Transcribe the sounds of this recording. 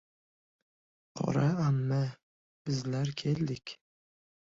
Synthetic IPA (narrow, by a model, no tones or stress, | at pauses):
qʰɒ̰ɾaamːa | b̥ɪzlaɾkʲʰeld̪ɪkʲ